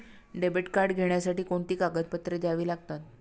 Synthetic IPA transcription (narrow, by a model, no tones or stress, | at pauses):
ɖebeʈkaɾɖɡʱeɳjasaʈiːkoɳt̪iːkaɡət̪pət̪ɾed͡zaʋiːlaɡ̚t̪at̪̚